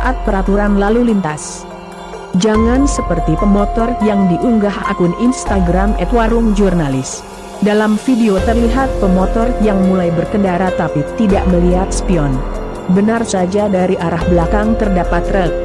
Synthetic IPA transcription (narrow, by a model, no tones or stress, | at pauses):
aʔat̪̚pəɾat̪uɾanlalulint̪as | d͡ʒaŋansəpərt̪ipəmɔt̪ɔrjaŋdiʔuŋɡaha̰kʊninst̪aɡɾamɛt̪waɾʊŋd͡ʒurnalɪs | dalamfideot̪ərliɦat̪̚pəmɔt̪ɔrjaŋmulajbərkəndaɾat̪apit̪idaʔməliɦat̪spiɔn | bənarsad͡ʒadaɾiʔaɾahblakaŋt̪ərdapat̪rək̚